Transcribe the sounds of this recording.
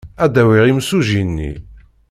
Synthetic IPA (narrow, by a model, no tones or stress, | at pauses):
æd̪æwiʁimsuʒinːḭ